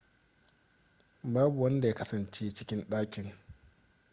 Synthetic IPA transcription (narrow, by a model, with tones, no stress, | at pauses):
baː˦bu˨wɐ˦nda˨ja˦kɐ˦sɐ˨nt͡ʃeː˦t͡ʃɪ˦kʲɪ˦nɗaː˦kʲɪ˨ŋ